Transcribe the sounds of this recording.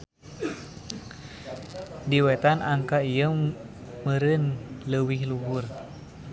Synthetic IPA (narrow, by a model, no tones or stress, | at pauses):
diwɛt̪anʔaŋkaijə | məɾənləwihluɦur